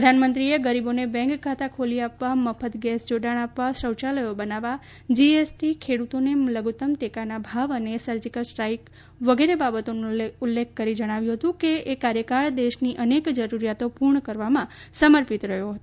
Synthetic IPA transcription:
pɾəd̪ʱanmənt̪ɾieɡəɾibonebɛ̃ŋkkʰːat̪akʰoliapʋaməpʰət̪ɡɛsd͡ʒoɖaɽ̃apʋaʃɾəwt͡ʃaləjobənaʋa | d͡ʒiesʈikʰeɽut̪oneləɡut̪əmʈekanabʱaʋənesəɾd͡ʒikəɭsʈɾaik | ʋəɡeɾebabət̪onũulːekʰkːəɾid͡ʒəɽ̃aʋjũɦət̪ũkeːkaɾjəkaɭd̪eʃniʔənekd͡ʒəɾuɾijat̪opuɾɳəkəɾʋamãsəməɾpit̪ɾəɦjoɦət̪o

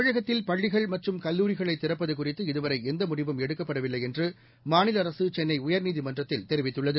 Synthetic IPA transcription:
ɐɻɐɣɐt̪ːɪlpɐɭːɪɣɐɭmɐʈrɯmkɐlːuːɾɪɣɐɭɐɪt̪ːɪrɐpːɐðɯkʊrɪt̪ːɯɪðɯʋɐɾɐɪɛnd̪ɐmʊɽɪʋɐmɛɽɯkːɐpːɐɽɐʋɪlːɐɪɛndrɯ | maːnɪlɐɐɾɐsɯt͡ʃɛnːɐɪʊjɐɾniːðimɐndrɐt̪ːɪlt̪ɛɾɪʋɪt̪ːɯɭːɐðɯ

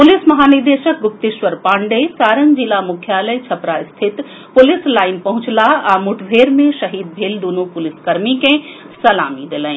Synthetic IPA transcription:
pʊlɪsmɐɦaːnɪɾd̪eːʃək̚ɡʊp̚t̪ɪʃʋəɾpãːɳɖesaːɾənd͡ʒilamʊkʰjaːləjt͡ʃʰɐpɾaɪst̪ʰɪt̪ | pʊlɪslaːɪnpɐɦʊ̃t͡ʃlaamʊʈʰbʱeːɾmẽʃɐɦiːd̪̚bʱeːld̪uːnupʊlɪskɐɾmikẽ | sɐla̰ːmid̪elə̃ĩ

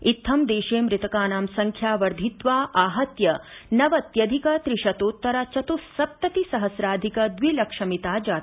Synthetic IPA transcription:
it̪ʰːɐmd̪eːʃeːmɾɪt̪ɐkaːnaːmsɐŋkʰjaːʋɐɾd̪ʱit̪ʋaːʔaːɦɐt̪jɐnɐʋɐt̪jɐd̪ʱikɐt̪ɾiʃɐt̪oːt̪ːɐɾat͡ʃɐt̪usɐp̚t̪ɐt̪isɐɦɐsɾaːd̪ʱikɐd̪ʋilɐkʂɐmit̪aːd͡ʒaːt̪

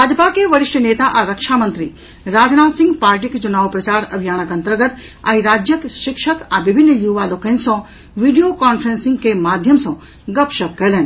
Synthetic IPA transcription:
aːd͡ʒpakeʋɐɾɪʃʈʰəneːt̪aʔãɾɐkʃaːmɐ̃nt̪ɾḭ | ɾaːd͡ʒnaːsɪ̃ŋɡpaːɾʈikt͡ʃunaːʋpɾɐt͡ʃaːɾɐbʱijaːnəkɐ̃nt̪əɾɡət̪ | ã̰ːiɾaːd͡ʒjəkʃɪkʃəkãʋɪbʱɪnːəjuːʋaloːkənsɔ̃ | ʋiːɖijokaːnfʰɾensɪ̃ŋɡkemaːd̪ʱjəmsɔ̃ː | ɡɐpʃɐkkɐlen

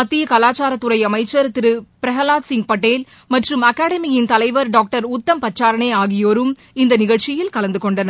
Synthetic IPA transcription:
ɐt̪ːɪjɐkɐlaːt͡ʃaːɾɐt̪ːɯɾɐɪɐmɐɪt͡ʃːɐɾt̪ːɪɾɯpɪɾɐɣɐlaːt̪sɪŋɡ̚pɐʈːeːl | mɐʈrɯmɐkːaːɽɐmɪjɪnt̪ɐlɐɪʋɐɾɖaːk̚ʈɐɾʊt̪ːɐmpɐt͡ʃːaːɾɐneːaːɣɪjoːɾɯm | ɪnd̪ɐnɪɣɐɭt͡ʃɪjɪlkɐlɐnd̪ɯkɔɳɖɐnɐ

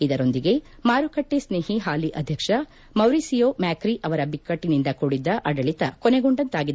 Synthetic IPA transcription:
id̪ɐɾo̞nd̪iɡe̞ | maːɾukɐʈːesneːɦiɦaːliʔɐd̪ʱjɐkʂɐ | mɐwɾisijoːmaːkɾiʔɐʋɐɾɐbikːɐʈːinind̪ɐkoɽid̪ːɐʔɐɽɐɭit̪ɐkɔneɡuɳɖɐnt̪aːɡid̪

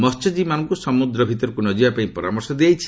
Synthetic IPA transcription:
mɔst͡ʃɔd͡ʒimanɔŋkusɔmud̪ɾɔbʱit̪ɔɾɔkunɔd͡ʒibapaĩpɔɾamɔɾsɔd̪iajt͡ʃʰi̥

